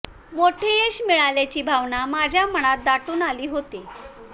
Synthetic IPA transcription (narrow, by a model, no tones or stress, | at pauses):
moʈʰeeɕmiɭalat͡ɕiːbʱaʋɳamad͡ʑʱjaməɽ̃at̪̚d̪aʈuːnaliːɦot̪e